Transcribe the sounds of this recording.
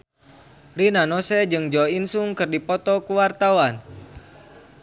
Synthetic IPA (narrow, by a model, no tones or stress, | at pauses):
linanɔsɛd͡ʒɨŋd͡ʒɔinsuŋkɨrdipɔt̪ɔkuwart̪awan